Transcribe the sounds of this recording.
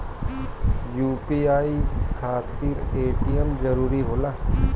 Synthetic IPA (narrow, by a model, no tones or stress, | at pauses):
juːpiaːikʰaːt̪ɪɾeːʈijəmzəɾuːɾiɦoːlaː